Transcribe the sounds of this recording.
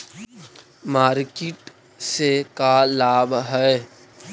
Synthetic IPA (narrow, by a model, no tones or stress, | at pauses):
maːɾkeʈ | sekalaːbɦɛe